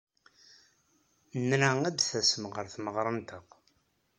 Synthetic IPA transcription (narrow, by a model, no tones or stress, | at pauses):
nɾææd̪θæsəmʁəɾθməʁɾˤənt̪əq